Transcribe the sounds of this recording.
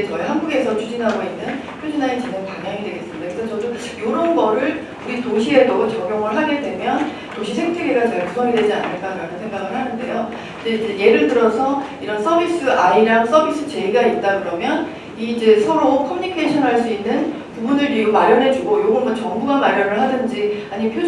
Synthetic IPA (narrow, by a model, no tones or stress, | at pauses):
et͡ɕʌiɦanɡuɡe̞sʰʌt͡ɕʰud͡ʑinɦaɡoinːɯnkʰoɕʰinaet͡ɕineŋkanɲaŋidwe̞ɡe̞s͈ɯmidakɯkʰat͡ɕʌdu | joɾʌnɡʌɾɯɭ | uɾitoɕʰie̞dot͡ɕʌɡjʌŋɯɭɦaɡe̞dwe̞mjʌn | toɕʰisʰeŋtʰeɡeɡat͡ɕʌimusʰʌŋidwe̞d͡ʑia̰nːɯɭk͈aɾanɯnsʰe̞ŋɡaɡɯɭɦhanɯnde̞̰jo | id͡ʑe̞id͡ʑe̞je̞ɾɯɭtɯɾʌsʰʌ | iɾʌns͈ʰʌbis͈ɯʔaiɾaŋs͈ʰʌbʱis͈ʰɯt͡ɕe̞iɡait̚t͈aɡɯɾʌmjʌn | iːd͡ʑe̞sʰʌɾokʰʌmjuɲikʰeɕʰʌnɦaɭs͈uinːɯn | pubunɯɭɾiumaɾjʌnɦe̞d͡ʑuɡojoɡʌɭmʌt͡ɕʌŋbuɡamaɾjʌnɯɭɦadɯnd͡ʑiaɲipʰjo